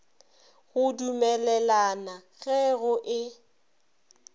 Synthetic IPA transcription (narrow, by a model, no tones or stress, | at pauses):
ɣʊdumɛlɛlanaɣɛɣʊʔɪ